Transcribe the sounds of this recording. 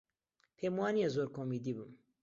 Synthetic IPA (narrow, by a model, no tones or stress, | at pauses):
pʰeːmwɑːnijezoːɾkʰoːmiːd̪ibɨm